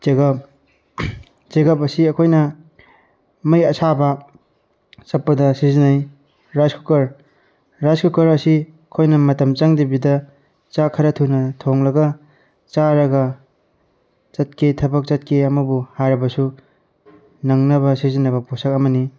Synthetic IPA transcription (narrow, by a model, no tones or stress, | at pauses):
t͡ʃeɡɐp̚ | t͡ʃeɡapɐsiɐkʰojnɐ | mɐjɐsʰabɐ | sɐpːɐdɐsizinaj | ɾazkʰukɐɾ | ɾazkʰukɐɾɐsi | ɐkʰojnɐmɐtɐmt͡ʃaŋdibidɐ | t͡ʃakʰɐɾɐtʰunɐtʰoŋlɐɡɐ | t͡ʃaɾɐɡɐ | t͡ʃɐt̚ketʰɐbɐk̚t͡ʃɐt̚kʰeɐmɐbuhaɾɐbɐsu | nɐŋnɐβɐsizinɐbɐposak̚ɐmɐni